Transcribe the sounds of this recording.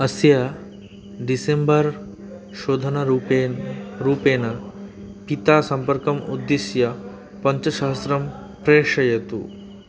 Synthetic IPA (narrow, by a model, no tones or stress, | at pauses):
ɐsjɐ | ɖisembɐɾ | ʃoːd̪ʱɐnɐɾueɾuːpeːnɐ | pit̪aːsɐmpɐɾkɐmṵd̪ːisjɐ | pɐɲt͡ʃɐʃɐɦɐsɾɐm | pɾeːʃɐjɐt̪ṵ